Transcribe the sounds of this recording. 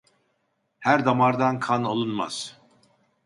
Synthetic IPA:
hæɾd̪amaɾd̪ankʰanolˠunma̰z̥

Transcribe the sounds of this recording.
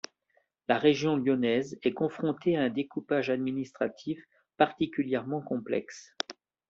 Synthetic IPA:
laʁeʒjɔ̃ljɔnɛzɛkɔ̃fχɔ̃t̪eaɛ̃d̪ekupaʒad̪minist̪χat̪ʰif | paʁt̪ikʲyljɛʁmɑ̃kɔ̃plɛ̰ks

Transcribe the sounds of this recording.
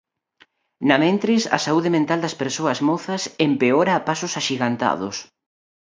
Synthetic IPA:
nɐmẽnt̪ɾɪsɐ̰sauðɪmẽnt̪ald̪ɐspeɾsoɐzmoθɐsempeoɾɐːpasʊsaʃiɣant̪a̰ðʊ̰s

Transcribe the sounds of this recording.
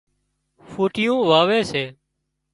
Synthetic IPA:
fuːʈɪjũːʋaːʋeːseː

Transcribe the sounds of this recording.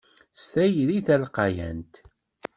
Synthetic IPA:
st̪æjðiθælqɑjæ̰nt̪

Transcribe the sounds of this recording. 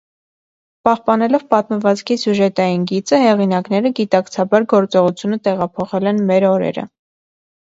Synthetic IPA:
pɑhpɑnɛlɔvpɑt̪məvɑt͡skʰisjuʒɛt̪ɑjinɡit͡səhɛʁinɑknɛɾəɡit̪ɑkt͡sʰɑbɑɾɡɔɾt͡sɔʁut͡sʰjunət̪ɛʁɑpʰɔχɛlɛnmɛɾɔɾɛ̰ɾə̰

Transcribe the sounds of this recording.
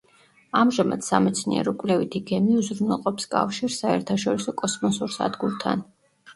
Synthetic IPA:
amʒamad̪̥samɛt̪sʰniɛ̰ɾɔkʼlɛvit̪ʰiɡɛmiuzɾunɛlˠqʼɔpskʼa̰fʃiɾsaɛɾt̪ʰaʃɔɾisɔkʼɔsmɔsuɾsa̰d̪ɡuɾt̪ʰa̰n

